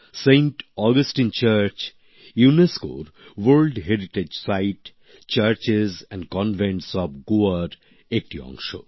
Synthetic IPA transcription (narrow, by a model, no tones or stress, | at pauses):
sẽɪɳʈɔːɡəsʈĩnt͡ʃəɾt͡ʃ | junesko̰ːɾ | ʋəːɾlɖɦeɾiʈed͡ʒsaɪʈ | t͡ʃəɾt͡ʃɪzɛ̃ɳɖkɔ̃nʋẽɳʈsɔːbɡuaɾ | ek̚ʈiɔ̰̃ŋʃo̰ː